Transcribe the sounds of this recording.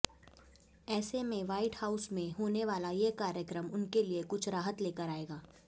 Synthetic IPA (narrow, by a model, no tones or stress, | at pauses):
ɛːsemẽʋaːɪʈhaːʊsmẽɦoːneʋaːlajekaːɾjəkɾəmʊnkeliekʊt͡ʃʰɾaːɦət̪leːkəɾaːeːɡaː